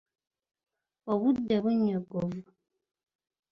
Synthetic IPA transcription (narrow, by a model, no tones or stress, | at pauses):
ɔwudɛbɔɲɔɡɔvu